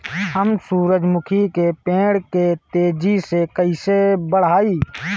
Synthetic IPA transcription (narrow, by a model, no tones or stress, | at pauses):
ɦəmsuːɾəd͡ʒmʊkʰikepẽːɽket̪eːd͡ʒisekəɪsebəɽ̤aːiː